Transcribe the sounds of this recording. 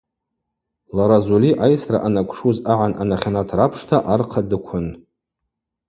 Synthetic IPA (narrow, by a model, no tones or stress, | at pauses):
laɾazuliʔajsra̰ʔanakʷʰʼʂuzaʕanʔanaχʲanatʰrapʰʂtʰaʔarqʰadɨkʷʰʊn